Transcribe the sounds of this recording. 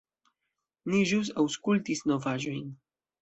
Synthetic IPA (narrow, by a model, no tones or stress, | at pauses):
niʒuwsawskult̪isnovaʒojn